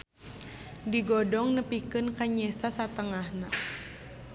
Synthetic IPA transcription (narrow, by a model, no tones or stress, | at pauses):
diɡɔdɔŋnəpikɨnkaɲɛsasat̪əŋahna